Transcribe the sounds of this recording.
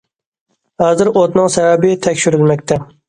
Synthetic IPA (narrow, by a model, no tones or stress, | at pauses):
hazɪɾot̪nɪŋsavabɪt̪ʰakʲʃʊɾɪlmak̚ʲt̪ʰa